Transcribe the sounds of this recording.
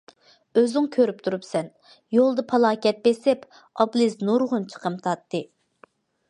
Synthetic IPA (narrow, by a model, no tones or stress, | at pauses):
øzɪŋkʲʰøɾyp̚t̪ʰuɾupsɛn | jolˠd̪ɨpʰɑlˠɑːkʲɛt̪̚besɪp | ɑblˠɨznuɾʁʊnt͡ʃʰə̥qʰəmt̪ʰɑt̪ːɨ